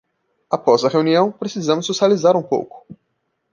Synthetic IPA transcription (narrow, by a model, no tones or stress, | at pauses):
apɔzɐheuniɐ̃w̃pɾesizɐ̃mʊzʊsalizaɾũpo̰wkʊ̥